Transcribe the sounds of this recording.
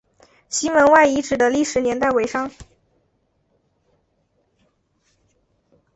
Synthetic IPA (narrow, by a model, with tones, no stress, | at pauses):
ɕi˥nwə˧˥nwa˥˩ɪi˧˥ʈ͡ʂɻ̩˨˩d̪ə˦li˥˩ʂɻ̩˧˥njɛ˧˥nt̪a˥˩ɪwe˧˥ɪʂɑ˥ŋ